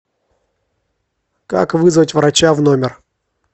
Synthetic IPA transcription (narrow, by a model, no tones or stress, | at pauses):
ka̰kvɨzvətʲvɾɐt͡ɕavnomʲɪr